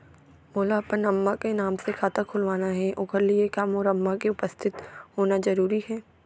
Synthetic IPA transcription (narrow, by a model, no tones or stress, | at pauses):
moːlapənɐmːakenaːmsekʰaːt̪akʰʊlʋaːnaɦɛʔʊkəɾliekaːmɔːɾɐmːakeʊpəst̪ʰɪt̪hoːnazɐɾuːɾihɛː